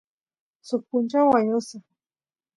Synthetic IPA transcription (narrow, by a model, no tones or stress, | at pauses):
sʊk̚pʊnt͡ʃawaɲʊsa